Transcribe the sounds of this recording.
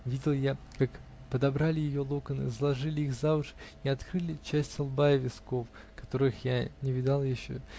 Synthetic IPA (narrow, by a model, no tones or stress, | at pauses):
vʲidʲɪlˠjakak | pəd̪ɐbɾalʲɪjɪjo̞lˠokənɨ̰zlˠɐʐɨlʲɪixzavʊʂiɐt̪kɾɨlʲɪt͡ɕæsʲtʲsɐlˠbaɪvʲɪsko̞f | kɐ̥t̪o̞ɾɨxjanʲɪvʲɪd̪ɑlˠjɪɕːo̰